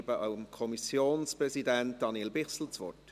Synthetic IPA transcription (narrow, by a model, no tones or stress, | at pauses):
bəaʊəmkʰɔmisjoːnspʁɛzidænt̚d̥ɑnielbɪχsl̩t͡svɔ̰rt